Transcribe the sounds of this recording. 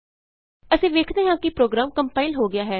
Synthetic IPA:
əsĩːʋeːkʰd̪eːɦãːkɪpɾoːɡɾaːmkəmpaːɪlɦoːɡɪjaːɦɛː

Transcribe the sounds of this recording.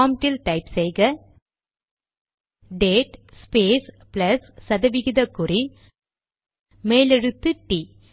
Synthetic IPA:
aːmʈɪlʈɐɪpsɛjɣɐ | ɖeːʈspeːs | plɐsːɐðɐʋɪɣɪðɐkːʊri | meːlɛɻɯt̪ːɯʈi

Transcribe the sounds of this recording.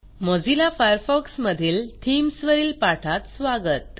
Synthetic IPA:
mɔd͡zilafajəɾfɔksməd̪ʱiːlt̪ʰimsʋəɾiːlpaʈʰat̪sʋaɡət̪

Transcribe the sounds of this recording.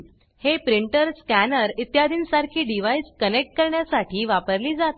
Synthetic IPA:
hepɾiɳʈəɾskænəɾit̪jad̪ʱiːnsaɾkʰiːɖiʋaiskənek̚ʈ̚kəɾɳjasaʈʰiːʋapəɾliːd͡zat̪

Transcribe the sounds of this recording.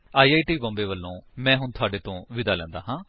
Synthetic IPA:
aːiːaːʈiːbɔ̃ːmbeːʋəlːõːmɛ̃ːɦʊnt̪ʰʊaːɖeːt̪õːʋɪd̪aːlɛ̃ːnd̪a̰ːɦãː

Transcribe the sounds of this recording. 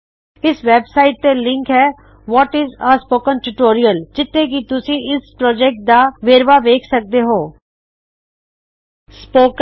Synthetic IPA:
ɪsʋɛːbsaːɪʈ̚t̪eːlɪ̃ŋkɦɛː | ʋɔːʈɪzəːspoːkənʈuʈoːɾijəld͡ʒɪt̪ʰːẽːk̬it̪ʊsĩːʔɪspɾɔːd͡ʒɛːk̚ʈ̚d̪aːʋeːɾʋaːʋeːkʰsək̚d̪eːɦoː | spoːk

